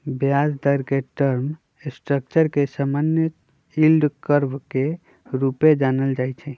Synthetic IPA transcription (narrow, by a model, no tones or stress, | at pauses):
bjad͡ʒd̪əɾkeʈəɾm | sʈɾək̚t͡ʃəɾkesamanjə | ilɖkəɾbke | ɾuped͡ʒanəld͡ʒajt͡ʃʰɛ